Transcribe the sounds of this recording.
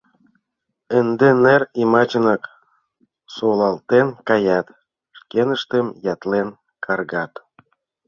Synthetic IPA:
ə̆nd̪enerimɑt͡ɕə̆nɤk | solɑlˠt̪enkɑjɑt̪ | ʃkenə̆ʃt̪emjɑt̪len | kʰɑrɣɑt̪

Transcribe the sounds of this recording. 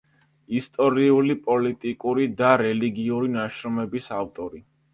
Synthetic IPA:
ist̪ʼɔɾiulipʼɔlit̪ʼikʼuɾid̪aɾɛliɡiuɾinaʃɾɔmɛbisaft̪ʼɔɾi

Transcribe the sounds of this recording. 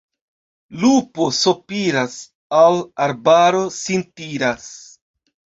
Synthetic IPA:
lupo̞sopiɾas | alaɾbaɾo̞sintiɾas

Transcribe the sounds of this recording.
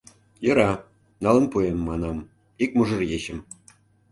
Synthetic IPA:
jɤ̆ɾɑ | nɑlə̆npuemːɑnɑm | ik̚muʒɤ̆rjeɕə̆m

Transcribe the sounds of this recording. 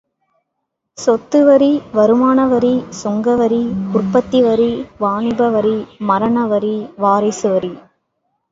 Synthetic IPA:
sɔt̪ːɯʋɐɾiʋɐɾɯmaːɳɐʋɐɾisɔŋɡɐʋɐɾikʊrpɐt̪ːiʋɐɾiʋaːɳɪbɐʋɐɾimɐɾɐɳɐʋɐɾiʋaːɾɐɪsɯʋɐɾi

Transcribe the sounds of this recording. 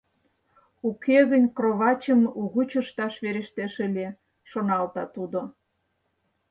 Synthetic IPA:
ukeɣənʲkroβɑt͡ɕəmuɣut͡ɕə̆ʃt̪ɑʃβeɾeʃt̪eʃəlʲe | ʃonɑlt̪ɑt̪ud̪o

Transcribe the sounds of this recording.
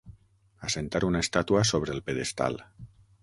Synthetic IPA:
asent̪aɾunaest̪at̪uasoβ̞ɾeːlˠpeðest̪a̰l

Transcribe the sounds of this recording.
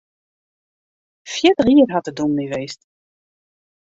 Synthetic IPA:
fjɪtəχiːərɦɑtədunniʋejst

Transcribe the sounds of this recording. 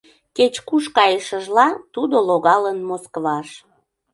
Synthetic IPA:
ket͡ɕkuʃkɑjəʃəʒlɑt̪ud̪oloɣɑlənmoskβɑʃ

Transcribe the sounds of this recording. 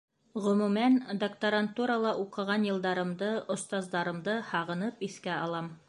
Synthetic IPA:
ʁɵ̆mʉmænd̪ɐkt̪ɐɾant̪uɾɑlˠɑʔuqɤ̆ʁɑnjɤ̆lˠd̪ɑɾɤ̆md̪ɤŏst̪ɑzd̪ɑɾɤ̆md̪ɤhɑʁɤ̆nɤpiθkæɑlˠɑm

